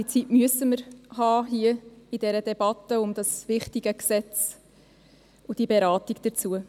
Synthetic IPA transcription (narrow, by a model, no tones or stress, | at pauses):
it͡sitmyəsəməɾhɑːɦiəid̥ɛɾədɛb̥ɑtəʊmd̥ɑsvɪχtiɡ̥əksɛt͡s | ʊd̥ibeɾɑːtiɡd̥əɾt͡suə